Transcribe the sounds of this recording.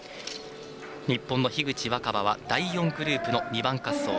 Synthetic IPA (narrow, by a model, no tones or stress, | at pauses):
ɲ̟ipːõ̞nːo̞çiɡɯ̟t͡ɕiβakabaβad̪aijõ̞ŋɡɯ̟ɾɯ̟ːpɯ̟no̞ɲ̟ibãŋkasːo̞̰ː